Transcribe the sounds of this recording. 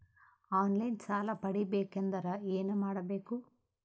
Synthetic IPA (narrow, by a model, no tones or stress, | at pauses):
aːnlɐjnt͡ʃaːlaːpɐɽibeːkɛnd̪ɐɾɐeːnemaːɽɐbeːku